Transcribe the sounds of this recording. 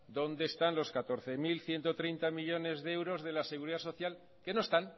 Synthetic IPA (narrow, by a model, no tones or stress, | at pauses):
d̪o̞nd̪e̞ːst̪anlo̞skat̪o̞ɾθe̞milθje̞nt̪o̞t̪ɾejnt̪amiʎo̞ne̞zðeewɾo̞zðe̞lase̞ɣuɾiðaso̞θjal | ke̞no̞est̪an